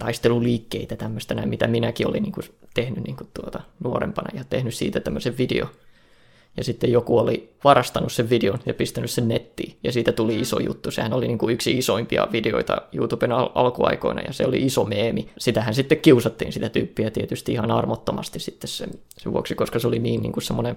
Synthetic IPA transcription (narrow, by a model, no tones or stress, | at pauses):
t̪ɑist̪eluliːkːeit̪æt̪æmːøst̪enæjɑmit̪æminækio̰lḭniːŋkut̪ehnynniːŋku̥tt̪uot̪ɑnuorḛmpɑnɑ̰jɑt̪ehnyssḭːt̪æt̪æmːøseʋʋidḛo̰ | jɑsit̪ːejokuoliʋɑrɑst̪ɑnusseʋʋideonjɑpist̪ænyssennet̪ːḭːjɑsiːt̪æt̪uliiso̰jṵt̪ːusḛhænoliniːŋkuyksiisoimpiɑ̰ʋideo̰it̪ɑ̰jṵːt̪ubenɑlɑlkuɑ̰iko̰inɑ̰jɑ̰sḛolḭʔisomeːmisit̪æhænsit̪ːekkiusɑt̪ːiːnsit̪æt̪yːpːiæt̪iet̪yst̪iihɑnɑrmot̪ːomɑst̪issit̪ːessḛ | seʋṵoksikoskɑseoliniːnnḭŋkussemːone